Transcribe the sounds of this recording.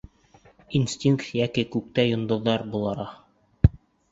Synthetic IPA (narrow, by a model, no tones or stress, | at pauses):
insʲtʲiŋkt̪jækikʉk̚t̪æjŏnd̪ŏðːɑɾbulˠɑɾɑ